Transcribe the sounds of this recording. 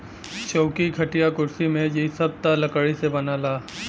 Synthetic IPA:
ʃoːkiɡʱɐʈijakʊɾsimẽjisɐb̚t̪alɐkəɽisebɐnalaː

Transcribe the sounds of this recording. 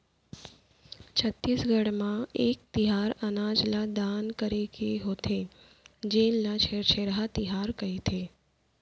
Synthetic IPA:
t͡ʃʰət̪ːisɡʱəɽmãek̚t̪iɦaɾənad͡ʒlad̪ankəɾekeɦot̪ʰe | d͡ʒennãt͡ʃʰet͡ʃʰeɾɦat̪iɦaɾkəɦit̪ʰe

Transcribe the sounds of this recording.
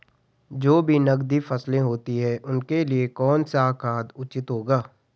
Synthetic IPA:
d͡ʒoːbʱinɐɡd̪ifɐslẽɦoːt̪iɦɛ̃ʔʊnkeliekɔːnsakʰaːd̪ʊt͡ʃɪt̪ɦoːɡaː

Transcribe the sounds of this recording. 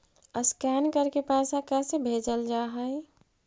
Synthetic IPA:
əskɛːnkəɾkepɛːsakɛːsebʱeːd͡ʒəld͡ʒaːɦəe

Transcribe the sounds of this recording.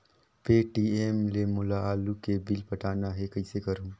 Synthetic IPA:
peːʈiːeːmlemʊlaaːlukebɪlpɐʈaːnaɦekɐisekɐɾũː

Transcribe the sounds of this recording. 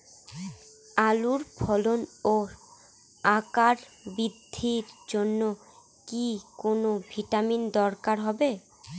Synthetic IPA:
aluɾpʰɔlono | akaɾbid̪ʱːiɾd͡ʑonːo | kikonobʱiʈamind̪ɔɾkaɾɦɔbe

